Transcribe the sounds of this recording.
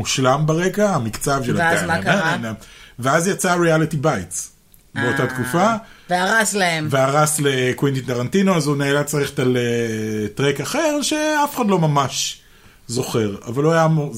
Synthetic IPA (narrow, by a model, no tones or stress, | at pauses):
uʃlambaʁekaamikt͡savʃelaaaanaveazjat͡saʁialitibajts | beotatkufaveaʁaslaemveaʁaslekwintitaʁantinoazuneːlat͡saʁeχetaletʁekaχe̞ʁʃe̞afe̥χadlo̞mamaʃ | zo̞χe̞ʁa̰valoajamo